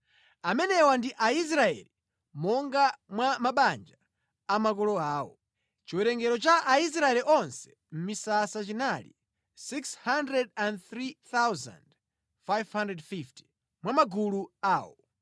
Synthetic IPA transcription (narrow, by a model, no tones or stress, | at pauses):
amɛnɛwandiʔais̬ɾaɛ̰li | mɔŋɡamwamaɓand͡ʒaː | mak̬ɔlɔaːwɔ̰ | t͡ʃiwɛɾɛŋɡɛɾɔt͡ʃaʔais̬ɾaɛliʔɔnsɛ̥ | m̩misasat͡ʃinalḭ | sikshandɾɛdandθɾiθawza̰nd | fajvhandɾɛdfifti̥ | mwamaɡuluaːwɔ̰